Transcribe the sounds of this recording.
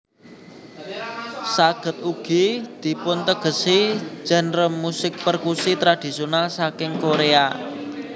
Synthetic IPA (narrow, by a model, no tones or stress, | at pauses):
saɡ̥ə̤t̪̚uɡ̥i̤d̪̥i̤pʊnt̪əɡ̥ə̤si̥d͡ʒ̥ɛ̤nrəmːusɪk̚pərkusit̪ɾad̪̥i̤sjonalsakɪŋkoɾea